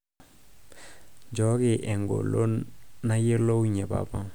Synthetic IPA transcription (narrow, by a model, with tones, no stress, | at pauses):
d͡ʒɔ˨˦kɪ˨ʔɛ˨ŋɡo̰˨lo˦nna˦je˦lo˦wɲe˨pa̰˨pa˦